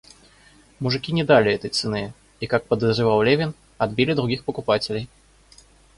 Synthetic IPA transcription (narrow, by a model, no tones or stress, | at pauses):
muʐɨkʲinʲɛd̪alʲiɛt̪əjt̪sɨnɛ | ikak̚pɐd̪ɐzʐɨvawlʲɛvʲin | ad̪bʲilʲid̪ɾuɡʲixpɐkupat͡sʲelʲej